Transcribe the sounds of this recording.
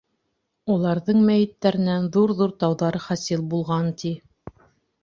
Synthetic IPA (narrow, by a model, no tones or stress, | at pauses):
ulˠɑɾðɤɴmæjɘ̆t̪ːæɾɘ̆nænðuɾðuɾt̪ɑwðɑɾɤχæsilˠbulˠʁɑnt̪i